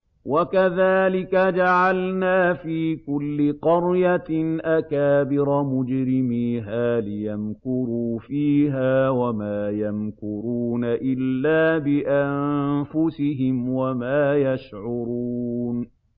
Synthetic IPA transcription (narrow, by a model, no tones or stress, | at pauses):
wakaðaːlɪkad͡ʒaʕalnaːfiːkʊlːɪqɑɾjanʔakaːbɪɾɑmʊd͡ʒɾɪmiːɦaːlɪjamkʊɾuːfiːɦaːwamaːjamkʊɾuːnaʔɪlːaːbɪʔanfʊsɪɦɪmwamaːjaʃʕʊɾuːn